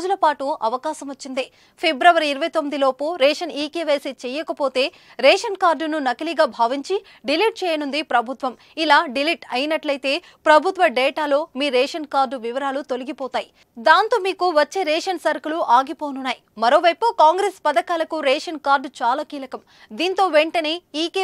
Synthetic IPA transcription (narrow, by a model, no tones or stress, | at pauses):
d͡ʒulɐpaːʈuɐʋɐkaːsɐmɐt͡ʃːind̪e | pʰebɾɐʋɐɾiiɾɐʋɐjt̪omːid̪iloːpuɾɛːʂɐniːkeːʋeːsit͡ʃɛːjɐkɐpo̞ːt̪e̞ː | ɾɛːʂɐnkaːɾɖnunɐkɐliɡaːbʱaːʋiɲt͡ʃi | ɖiliʈ̚t͡ʃɛːjɐnund̪ipɾɐbʱut̪ʋɐm | ilaːɖiliʈɐjinɐʈlɐjit̪e̞ː | pɾɐbʱut̪ʋɐɖɛːʈaːlo̞ːmiːɾeːʂɐnkaːɾɖʋiʋɐɾaːlut̪oliɡipɔːt̪aːji | d̪aːnt̪o̞ːmiːkuʋɐt͡ʃːe̞ːɾeːʂɐnsɐɾkɐluʔaːɡipo̞ːnunːaːjimɐɾo̞ːʋɐjpukaːŋɡɾeːspɐd̪ɐkaːlɐkuɾeːʂɐnkaːɾɖt͡ʃaːlaːkiːlɐkɐm | d̪iːnt̪o̞ːʋeɳʈɐneːiːkeː